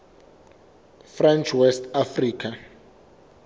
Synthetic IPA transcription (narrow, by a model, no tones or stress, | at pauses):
frant͡ʃʰwɛstʰafriːkʰa